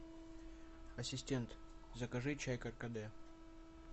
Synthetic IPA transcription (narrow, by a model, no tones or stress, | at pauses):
ɐsʲɪsʲtʲent̪ | zəkɐʐɨt͡ɕajkɐrkɐd̪ɛ